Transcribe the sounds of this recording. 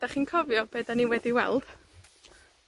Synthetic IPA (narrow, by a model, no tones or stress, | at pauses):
d̥aχiːnkʰɔvjɔbeːdaniwɛdiwɛ̰lˠd̥